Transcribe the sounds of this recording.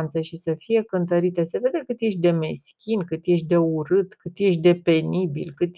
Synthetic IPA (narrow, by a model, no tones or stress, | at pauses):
nt̪səʃisəfije̞kɨnt̪əɾit̪əse̞ve̞d̪e̞kɨt̪je̞ʃ̬d̪e̞me̞skʲinkɨt̪je̞ʃ̬d̪e̞uɾɨt̪kɨt̪je̞ʃd̪e̞pe̞nibḭlkɨt̪